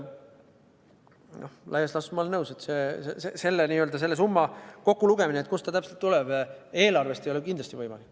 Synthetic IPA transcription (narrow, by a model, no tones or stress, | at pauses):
nohlæjɑslɑsmɑlnɤwset̪seːsesese̞lːeniːøld̪̥ɑs̬e̞lːe̞s̬umːɑko̞kːuluɡ̥e̞mineet̪kust̪ɑt̪æpse̞lt̪ːulɛb̥e̞ːlɑrve̞st̪ejolekind̪lɑ̥st̪ivɤjmɑlikː